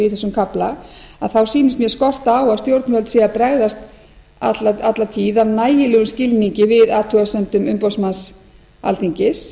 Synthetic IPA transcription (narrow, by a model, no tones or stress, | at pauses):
ɪθɛsːʏmkʰaplaaðθawsiːnɪst̪mjɛskɔr̥t̪aaːwast̪jowɾt̪nfœlt̪siːɣapɾɛɣðast̪ | a̰t̪laat̪lat̪ʰiːðavnaːjɪlɛːɣʏmscɪlniɲcɪvɪðaːt̪ʰœɣasœnt̪ʏmʏmpɔwsmans | a̰lt̪ʰiɲcɪs